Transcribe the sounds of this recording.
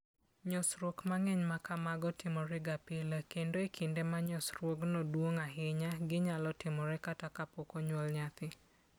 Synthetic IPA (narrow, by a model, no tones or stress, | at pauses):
ɲɔsɾwokmaŋɛɲmakamaɡɔtɪmɔɾɛɡapɪlakendoekʰɪndemaɲɔsɾwoknɔdwoŋaɦɪɲaɡɪɲalɔtɪmɔɾɛkatakapɔkɔɲwɔlɲat̪ɪ